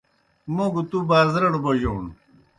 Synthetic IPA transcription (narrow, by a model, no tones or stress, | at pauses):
moɡut̪ubaːzɾɐɽuboʑoːn